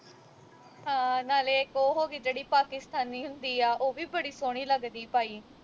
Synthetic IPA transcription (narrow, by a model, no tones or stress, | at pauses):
ɦãːnaːleːkoːɦoːɡiːd͡ʒeːɽiːpaːkɪst̪aːnːiːɦʊ̃nd̪iːaːʔoːʋiːbəɽiːsoːɽ̃iːləɡd̪iːpaːiː